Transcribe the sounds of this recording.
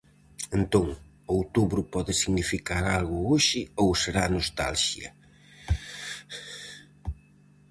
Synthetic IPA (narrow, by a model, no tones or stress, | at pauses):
ent̪oŋ | owt̪uβɾʊpɔðɪsiɣnifikaɾalɣʊoʃɪowseɾanost̪a̰lʃjɐ̰